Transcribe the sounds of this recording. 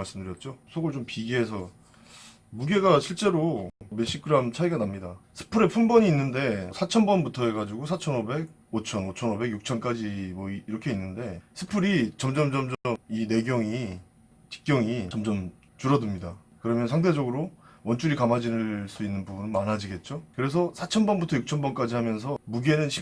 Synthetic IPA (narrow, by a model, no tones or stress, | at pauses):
aɭs͈ɯmdɯɾjʌt̚t͡ɕ͈osʰʌɡɯɭt͡ɕompiɡiɦe̞s̬ʰʌ | muɡe̞ɡaɕʰiɭt͡ɕ͈e̞ɾome̞ɕ͈ʰikʰɯɾamt͡ɕʰaiɡanamɲidasʰɯ̥pʰɯɾe̞pʰunbʌɲiːnːɯnde̞sʰat͡ɕʰʌnbʌnbutʰʌɦe̞ɡad͡ʑiɡosʰat͡ɕʰʌnobe̞ɡ̚ | ot͡ɕʰʌnot͡ɕʰʌnobe̞ɡjuk̚t͡ɕʰʌnk͈ad͡ʑimwʌiiɾʌkʰe̞inːɯnde̞sʰɯ̥pʰɯɾit͡ɕʌmd͡ʑʌmd͡ʑʌmd͡ʑmine̞ɡjʌŋi | t͡ɕi̥k̚k͈jʌŋit͡ɕʌmd͡ʑʌm | t͡ɕuɾʌdɯmɲida | kɯɾʌmjʌnsʰaŋde̞d͡ʑʌɡɯɾowʌnt͡ɕ͈uɾikamad͡ʑinɯs͈uinːɯnbubunɯnmanad͡ʑiɡe̞t̚t͡ɕ͈okɯɾe̞s̬ʰʌsʰat͡ɕʰʌnbʌnbutʰʌjuk̚t͡ɕʰʌnbʌnk͈ad͡ʑihamjʌns̬ʰʌmuɡenɯnɕʰi